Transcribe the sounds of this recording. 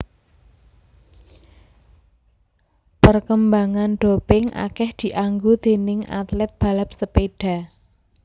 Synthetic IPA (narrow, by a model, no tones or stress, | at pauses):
pərkəmbaŋanɖ̥opɪŋʔa̰kɛhd̪̥i̤ʔaŋɡod̪̥e̤nɪŋa̰t̪lɛt̪̚b̥a̤lap̚səpeɖ̥a̤